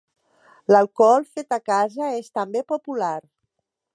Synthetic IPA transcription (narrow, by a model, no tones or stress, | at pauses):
lalˠkɔlˠfet̪akazəest̪əmbepopulaɾ